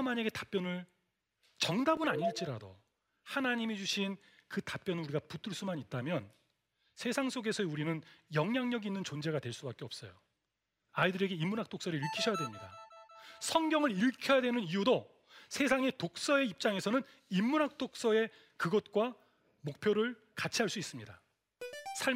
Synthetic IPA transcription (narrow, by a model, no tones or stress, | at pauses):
maɲaɡe̞tḁp͈jʌnɯɭ | t͡ɕʌŋdabɯnaɲiɭt͡ɕ͈iɾado̰ | hanaɲimid͡ʑuɕʰin | kɯtap͈̚jʌnɯuɾiɡaput͈ʰɯɭs͈umanit̚t͈amjʌn | sʰe̞sʰaŋsʰoɡe̞sʰʌeuɾinɯnjʌŋɲaŋɲʌɡiinːɯnt͡ɕond͡ʑe̞ɡadweɭs͈ubak͈eʌp̚s͈ʌjo̰ | aidɯɾe̞ɡe̞imːunɦak̚t͈ok̚s͈ʌɾiiɭkʰiɕʰʌjadwemɲida̰ | sʰʌŋɡjʌŋɯɾiɭkʰjʌjadwe̞nɯnijudo | sʰe̞sʰaŋe̞tok̚s͈ʌe̞ip̚t͡ɕ͈aŋe̞sʰʌnɯn | imːunɦak̚t͈ok̚s͈ʌe̞ | kɯɡʌt̚k͈wa | mok̚pʰjoɾɯɭ | kat͡ɕʰiɦaɭs͈uis͈ɯmɲida̰ | sʰa